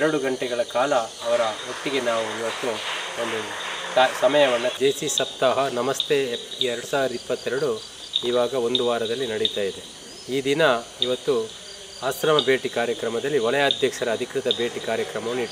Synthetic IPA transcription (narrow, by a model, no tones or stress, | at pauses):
ɛɾɐɽuɡɐɳʈɛɡɐɭɐkaːlɐːʋɐɾɐʋokt̪iɡe̞naːʋuiʋɐt̪ːuond̪usasɐmɐjɐʋɐnːɐd͡ʒeːsisɐp̚t̪ːaːɦɐnɐmɐst̪ʰeɛɾɐɽusaːʋiɾd̪ipːɐt̪ːɛɾɐɽu | iːʋaːɡɐo̞nd̪uʋaːɾɐd̪ɐlːinɐɽit̪aːjid̪e | iːd̪inɐ | iʋɐt̪ːu | aːsɾɐmɐbe̞ːʈikaːɾjɐkɾɐmɐd̪ɐlːiɔlɐjaːd̪ʱjɐkʂɐɾɐːd̪ʱikɾɪt̪ɐbe̞ːʈikaːɾjɐkɾɐmɐʋɐnːiʈː